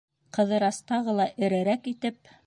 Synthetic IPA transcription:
qɤ̆ðɤ̆ɾɑst̪ɑʁɤlˠɑʔɘ̆ɾæɾækit̪ɘp

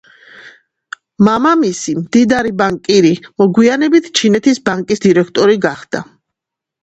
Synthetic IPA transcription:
mamamisimd̪id̪aɾibaŋkʼiɾimɔɡwianɛbit̪ʰt͡ʃʰinɛt̪ʰisbaŋkʼisd̪iɾɛkʰt̪ʼɔɾiɡaχd̪̥a̰

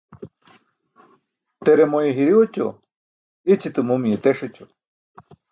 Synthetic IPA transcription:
t̪eɾemojeɦiɾiwot͡ɕo̰ | it͡ɕit̪umumiet̪eʂit͡ɕo

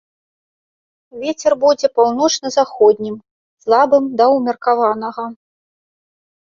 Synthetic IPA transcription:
vʲet͡sʲɛrbud͡zʲɛpawnɔt͡ʂnɐzaxɔd̪ʲnʲim | slˠabɨmd̪ɐwmʲirkavanɐɣɐ

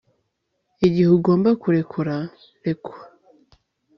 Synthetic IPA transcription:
iɟihuɡo̞ːmbakuɾe̞kʰuɾa | ɾekuɾa

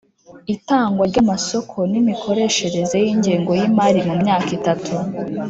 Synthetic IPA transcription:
itaːŋɡwaɾɟamaso̞kʰo̞nimikʰo̞ɾe̞ːʃe̞ɾe̞ze̞jiːɲɟiːŋɡo̞jimaɾimumɲaːkitatʰu

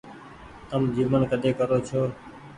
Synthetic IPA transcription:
t̪əmd͡ʒiːʋənkəɗ̪eːkəɾoːt͡ʃʰoː

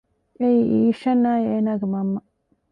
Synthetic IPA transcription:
ʔeiʔiːʃɐnːaːjeːnaːɡemɐmːɐ

